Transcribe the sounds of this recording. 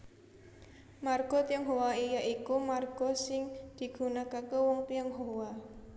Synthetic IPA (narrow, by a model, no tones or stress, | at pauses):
marɡ̥ɔ̤t̪iaŋɦowaijaʔikumarɡ̥ɔ̤sɪŋd̪̥i̤ɡ̥ṳnakakəwɔŋpiaŋɦowa